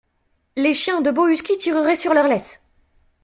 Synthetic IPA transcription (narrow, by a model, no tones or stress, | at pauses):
leʃjɛ̃d̪əboyskʲit̪ʰiʁəʁɛsyʁlœʁlɛs